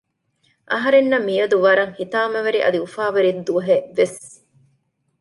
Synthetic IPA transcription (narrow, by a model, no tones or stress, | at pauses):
ʔɐɦɐɾenːɐmːijɐd̪uʋɐɾɐŋhit̪aːmɐʋɐɾiʔɐ̰d̪iufaːʋɐɾid̪ːuɐɦeʋes